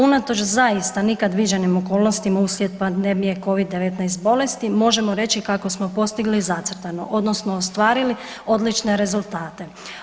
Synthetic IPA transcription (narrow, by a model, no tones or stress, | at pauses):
unat̪o̞t͡ʃzaist̪anikad̪ʋid͡ʒanimoko̞ːlˠno̞st̪imausljet̪̚pad̪emije̞ko̞ʋid̪ːe̞ʋe̞t̪najst̪̚bo̞le̞st̪imo̞ʒe̞moɾe̞t͡ɕt͡ʃikako̞smo̞po̞st̪iɡlizat̪sɾt̪ano̞̰ʔo̞d̪no̞snoːst̪ʋaːɾili | o̞d̪lit͡ʃne̞ɾe̞zulˠt̪aːt̪e̞